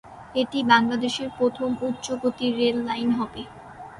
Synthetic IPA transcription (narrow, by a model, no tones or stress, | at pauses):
eʈibaŋlad̪eʃeɾpɾot̪ʰomutːɕoɡot̪iɾelːajnɦɔbe